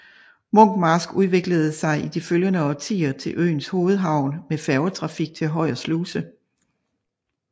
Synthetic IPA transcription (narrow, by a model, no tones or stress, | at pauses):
mɔ̽ŋ̰ɡ̥mɑsɡ̥uðˠʋe̝ɡ̥ləð̞̩ˠsɑ̈ɪʔid̥iføljənəɒ̽t͡sʰḭːɐt͡sʰe̝lʔø̰ːnsho̝ːð̞̩ˠɦɑ̈ʊ̰nmefæɐʊət͡sʰʁɑ̈fiɡ̥̚t͡sʰe̝ɦɒ̽ɪ̰ɐsluːsə